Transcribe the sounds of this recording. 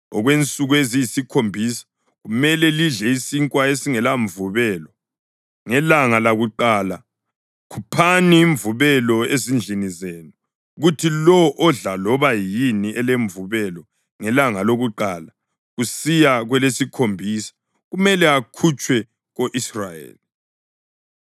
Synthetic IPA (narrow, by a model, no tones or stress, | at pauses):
ɔ̰ɣwent͡sʼuɣuezijisikʰombʱisḁ | ɣumɛlɛliɮɛisiŋkʼwaesiŋɛlaɱvuβɛːlɔ | ŋɛlaŋalaɣuǃaːla | kʰupʰaniːɱvuβɛlɔezind͡ɮʱinizeːnu | ɣutʰilɔʔːɮalɔβajiniɛleɱvuβɛlɔ | ŋɛlaŋaloɣuǃaːla | ɣusijaɣwɛlesikʰombʱisḁ | ɣumɛlɛakʰut͡ʃʼwɛ | ɣoʔisra̰jḛːli